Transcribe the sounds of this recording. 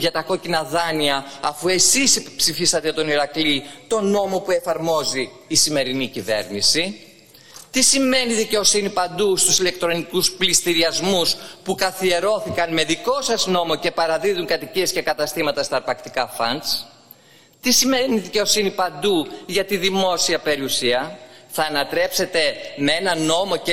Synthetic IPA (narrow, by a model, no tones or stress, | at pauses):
ʝɐt̪ɐko̞cinɐðɐniɐːfue̞sispsifisɐt̪et̪o̞niɾɐklit̪o̞no̞mo̞pue̞fɐɾmo̞ziː | sime̞ɾinicive̞̰ɾnisi | t̪isime̞niðice̞o̞sinipɐnd̪ust̪usile̞k̚t̪ɾo̞nikusplist̪iɾiɐzmuspukɐθie̞ɾo̞θikɐnme̞ðiko̞sɐzno̞mo̞ce̞pɐɾɐðiðuŋkɐt̪icie̞sce̞kɐt̪ɐst̪imɐt̪ɐst̪ɐɾpɐkt̪ikɐfɐ̰ns | t̪isime̞niðice̞o̞sinipɐnd̪uʝɐt̪iðimo̞siɐpe̞ɾiusiɐθɐːnɐt̪ɾe̞pse̞t̪e̞meenɐno̞mo̞e